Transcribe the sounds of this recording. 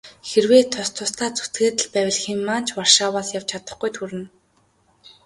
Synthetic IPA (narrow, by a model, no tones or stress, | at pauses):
xerweːt̪ʰʊst̪ʰʊst̪ʰaːt͡su̥t̪ɡeːt̪ə̆ɮpæːwʲɪ̆ɮximːaːn̥t͡ɕʰwar̥ʃaːwaːsjaw̥t͡ɕʰat̪ə̥̆χɡujt̪ʰuɾɘ̆n